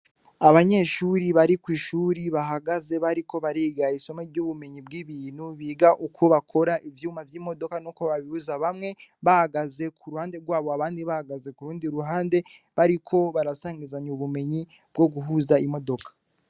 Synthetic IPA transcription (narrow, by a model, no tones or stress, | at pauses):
aβaɲe̞ːʃuɾiβaɾikwiːʃuːɾiβaɦaɡaze̞βaɾiko̞βaɾiːɡaiso̞meɾɟoβume̞ɲibɡiːβiːn̤̥huβiːɡaʔukʰuβakʰo̞ɾaʔivjuːmavjiːmo̞do̞kanokoβaβihuzaβamŋe̞βahaɡaze̞kʰuɾuhaːnde̞ɾɡwaːβoaβaːndiβahaɡaze̞kuɾuːndiɾuɦaːnde̞βaɾikʰo̞βaɾasaːŋɡizaɲuuβume̞ɲi | b̥̚ɡo̞ɡuɦuzaimo̞do̞kʰḁ